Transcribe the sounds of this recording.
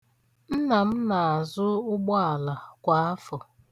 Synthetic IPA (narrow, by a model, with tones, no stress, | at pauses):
n̩˦na˨m̩˦na˨a˨zʊ˦ʊ˦ɡ͡bɔ˦a˨la˨kʷa˨˦a˦fɔ˨